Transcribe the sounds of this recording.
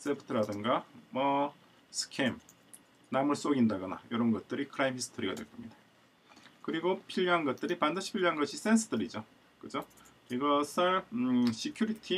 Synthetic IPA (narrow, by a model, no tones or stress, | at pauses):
s͈epʰɯ̥tʰɯɾadɯŋɡamwʌ | sʰɯ̥kʰem | namɯɭs͈oɡindaɡʌna̰jʌɾʌnɡʌt̚t͈ɯɾikʰɯɾaimhisʰɯ̥tʰoɾiɡa̰dwe̞ɭk͈ʌmɲida | kɯɾiɡopʰiʎːɦanɡʌt̚t͈ɯɾipandɯɕʰi̥pʰiʎːɦanɡʌɕʰis͈e̞nsʰʌdɯɾid͡ʑo | kɯd͡ʑo | iɡʌsʰɯɭɕikʰjuɾitʰi